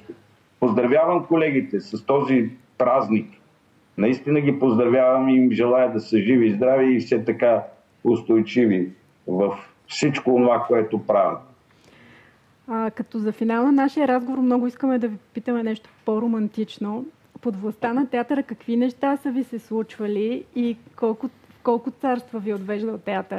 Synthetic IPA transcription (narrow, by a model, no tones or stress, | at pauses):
pozd̪ɾɐvʲjavɐmkolɛɡit̪ɛsɐst̪ɔzi | pɾaznik | nɐist̪inəɡʲipozd̪ɾɐvjavɐmimʒɛlˠajəd̪ɐsəʒivizd̪ɾaviːfsɛt̪ɐka | ʊst̪ojt͡ʃivi | vəf | fsit͡ʃkoːnovakoɛt̪opɾavi | əkɐt̪ɔzɐfinalˠənaʃijəɾazɡovoɾmnɔɡʊiskəmɛd̪ɐvipopit̪əmɛnɛʃt̪o̥poɾomɐnt̪it͡ʃno | pod̪vlˠɐst̪anɐt̪ɛat̪ɾəkɐkvinɛʃt̪asəvisɛslˠut͡ʃvɐliːkɔlˠkʊ | fkɔlˠkʊt̪saɾst̪vəviod̪vɛʒd̪əlˠt̪ɛat̪ɾ